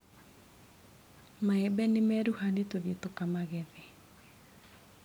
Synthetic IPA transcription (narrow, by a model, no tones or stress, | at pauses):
maɛbɛnemɛɾuhanetoðetokamaɣɛðɛ